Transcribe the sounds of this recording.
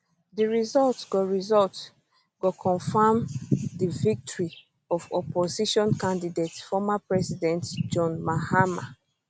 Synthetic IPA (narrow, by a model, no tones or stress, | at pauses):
diɹizɔltɡɔɹizɔlt | ɡ̥ɔkʰɔ̃ɱfamdivik̚tɔɹi | ɔvɔpɔziʃɔ̃nkãndidetfɔmapɹɛsidɛ̃ntd͡ʒɔ̃nmahama